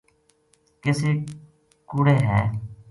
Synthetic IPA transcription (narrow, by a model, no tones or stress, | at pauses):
kɪseː | kʊːɽeːɦɛː